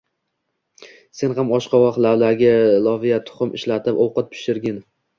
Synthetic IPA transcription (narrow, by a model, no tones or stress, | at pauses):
se̞nɦamɒʃqʰɑwɒχlawlaɾɡʲalˠɒvijat̪ʰʊ̥χʊmɪʃlat̪ʰɪpɒwqɨt̪̚pʰɪ̥ʃɪɾɡʲɪn